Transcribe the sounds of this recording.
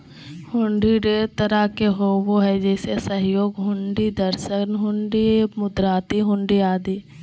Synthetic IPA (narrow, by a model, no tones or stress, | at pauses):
hʊ̃ɳɖiɖet̪əɾakeɦoːboɦɛd͡ʒɛːsesəɦjoːɡɦʊ̃ɳɖid̪əɾʃənɦʊ̃ɳɖimʊd̪ɾaːt̪iɦʊ̃ɳɖiaːd̪iː